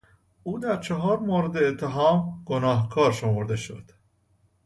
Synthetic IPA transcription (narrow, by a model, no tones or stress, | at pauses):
ʔuːd̪æɾt͡ʃʰeɦɒːɾmoːɾed̪eːt̪ʰːeɦɒːmɡ̥onɒːɦkʰɒːɾʃomoɾd̪e̞ʃo̞̰d̪̥